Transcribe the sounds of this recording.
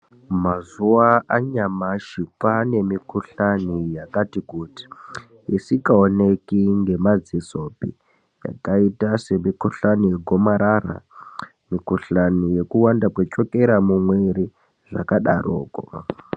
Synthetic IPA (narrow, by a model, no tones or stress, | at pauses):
mazuaʔaɲamaʃikwane̞mikuɬanijakatikuti̥ | isikaonekiŋɡe̞mad͡ziso̞pi | ja̰kaitase̞mikuɬanijeɡʱo̞maɾaɾa̰ | mikuɬanije̞kuwandapwet͡ʃo̞ke̞ɾamumweɾi | ʐa̰kaɗa̰ro̰ːko